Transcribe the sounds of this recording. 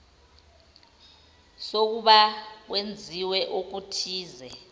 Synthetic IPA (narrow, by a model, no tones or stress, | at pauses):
sok̬uɓak̬wend͡zʱiwɛʔok̬utʰiːzɛ